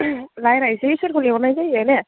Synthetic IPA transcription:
lajɾaɦisɛisɔtkʰolibɔnajzajɛnɛ

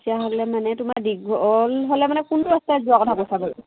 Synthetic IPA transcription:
tijaɦɔlɛmanɛtʊmaɹdiɡɔlɦolɛmanɛkuntʊastazuakɔtʰakosʰabaɹ

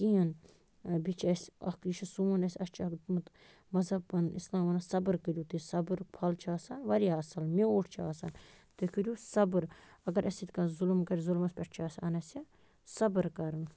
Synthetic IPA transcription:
kiɐn | bit͡ʃʰɐsʲɐ̰kiʃɐsuːɐnɐsʲɐst͡ʃʰɐk̪mɨt̪ | mɐzɐbɐnislãːmʋɐnasɐbɨɾkəɾʲjuːt̪ɨsɐbɨɾpʰɐlt͡ʃʰaːsanʋɐɾiaːsɐlmeoːʈʰt͡ʃʰa̰ːsan | t̪ɨkəɾjusɐbɨɾɐɡɐɾʔɐsʲit̪ʲkɐzulmkɐɾʲzulmɐspʲɛʈ̚ʰt͡ʃʰaːsʲa̰nɐsʲɐ | sɐbɨɾkɐɾɨn

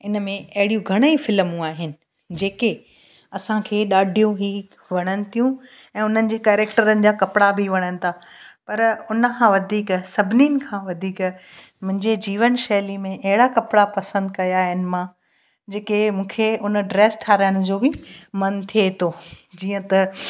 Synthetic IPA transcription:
ɪnəmẽɐɦɪɽijũɡʱɐɽ̃ifɪlmũaːɦɪnɪ̆ | d͡ʑeːke | ɐsãkʰeːɗaːɖʱijũɦiː | ʋɐɽ̃ənɪ̆t̪ʰijũ | ɛ̃ːʊn̤ənɪ̆d͡ʑeːkɛːɾeːkʈəɾənɪ̆d͡ʑaːkɐpɽabʱiʋɐɽ̃ənɪ̆t̪ʰaːpɐɾʊnəkʰãːʋɐd̪ʱiːksɐbʱɪninɪ̆kʰãːʋɐd̪ʱiːk | mʊ̃ɦɪ̃ɲd͡ʑed͡ʑiːʋənʃɛːlimẽʔɐɦɪɽakɐpɽapɐsə̃nd̪kɐjaːɦɪnɪ̆mãː | d͡ʑeːkemũːkʰeʊnɖɾeːsʈʰaːɾaɪɽ̃ʊd͡ʑoːbɪmɐnt̪ʰiet̪ʰoːd͡ʑiːə̃t̪ɐ

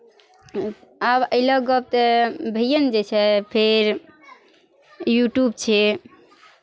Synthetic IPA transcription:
abə̰ɪləɡɔb̚t̪ebʱijənd͡ʒet͡ʃʰɛpʰeɾ | juʈjub̚t͡ʃʰɛ

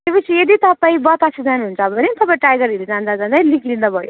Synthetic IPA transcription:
t̪epʌt͡sʰijed̪it̪ʌpaĩbʌt̪asʰid͡zanɦunt͡sʰʌːbʌnet̪ʌpaĩʈajɡʌɾiɾid͡zand͡zad͡zand͡zaĩlikʰlĩnd̪ʌbʱʌjo

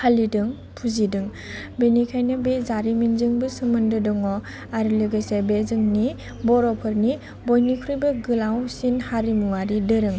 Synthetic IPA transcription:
halidɯŋ | pʰuzidɯŋ | benikʰajnɯbezaɾiminzɯŋbɯsɯmɯndɯdɔŋɔ | aɾilɯɡɯjsebezɯŋni | bɔɾɔpʰɯɾni | bojnikʰɾujbɯɡɯlawsinhaɾimuaɾidɯɾɯŋ

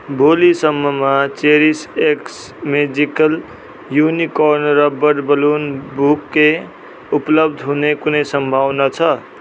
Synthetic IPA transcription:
bʱolisʌmːʌmat͡seɾiseks | med͡zikʌl | junikɔɾnrʌbʌɽbʌlunbukːe | uplʌbd̪ʱɦunekunʌjsʌmbʱawnʌt͡sʰʌ

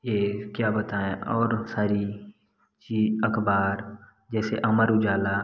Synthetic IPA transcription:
jeːkjaːbɐt̪aːẽʔɔːɾsaːɾi | t͡ʃiːɐkbaːɾ | d͡ʒɛːseʔɐməɾʊd͡ʒaːla

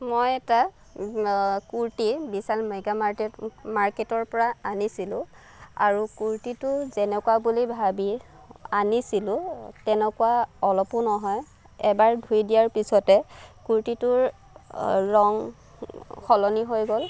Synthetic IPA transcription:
mojɛta | kuɹtibisalmeɡa | maɹketɔɹpɔɹaanisilʊ̃ | a̰ɹukuɹtitʊzɛnɛkuabulibʱabi | anisilʊ̃tɛnɛkuaɔlɔpʊnɔɦɔj | ɛbaɹdʱujdijaɹpisɔtɛkuɹtitʊɹ | ɹɔŋ | kʰɔlɔniɦojɡɔl

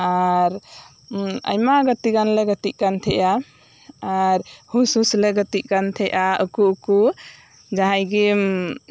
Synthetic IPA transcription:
aɾ | ə̰jmaɡət̪iɡanlɛɡət̪iʔ̚kant̪ʰɛʔa | aɾhususlɛɡət̪iʔ̚kant̪ʰɛʔaukuuku | d͡ʒaɦajɡim

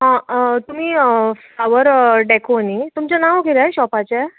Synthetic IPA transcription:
ɦãt̪um̤iːflaʋəɾɖɛkonit̪umt͡ɕjanaʋɡʱelajɕɔpat͡ɕa

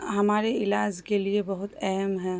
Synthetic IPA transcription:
ɦɐmaːɾeɪlaːd͡ʒkeliebɐɦʊt̪ɛɦɛmɦɛ̃ː

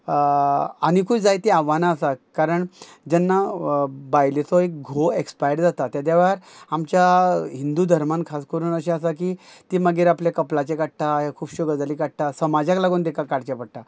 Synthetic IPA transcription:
añikʰuːd͡zajt̪iaʋanaːsakaɾəɳ | d͡ʑɛnːabajlet͡sɔek̚ɡʱoekspajəɾd͡zat̪at̪jad̪jaʋeəɾamt͡ɕjaɦind̪ud̪ʱəɾmankʰaskəɾuːnəɕẽasak̬it̪iməɡiːɾapljakəplat͡ɕekaʈ̚t̪ajakʰuːbɕuɡəd͡zaliːkaʈ̚t̪asəmad͡ʑãklaɡoːnd̪ekakaɽt͡ɕapəɽʈ̪a

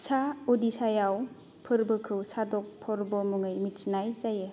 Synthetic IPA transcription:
saodisajaw | pʰɯɾbɯkʰɯwsadɔk̚pʰɔɾbɯmuŋɯjmitsnajzajɯ

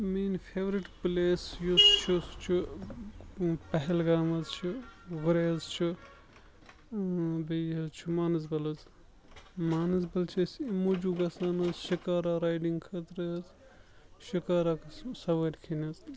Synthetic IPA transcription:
miːnpʰeːʋɾiʈpleːsjust͡ʃʰust͡ʃʰu | pɐɦelɡaːmɐzt͡ʃʰuɡuɾeːzt͡ʃʰu | bejɐzt͡ʃʰumaːnɐzbɐlɐz | maːnɐzbɐlt͡ʃʰɐsimud͡ʒuɡɐsaːnɐzʃikaːɾaɾaːjɖiŋɡkʰɐt̪ɾez | ʃikaːɾaksɐʋɐɾʲkʰinɐz

